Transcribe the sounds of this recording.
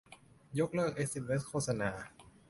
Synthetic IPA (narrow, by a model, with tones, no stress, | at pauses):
jo˦˥k̚lɤː˥˩k̚ʔe˦˥k̚si˧˩me˦˥kʰoː˥˩t̪̚sa˧naː˧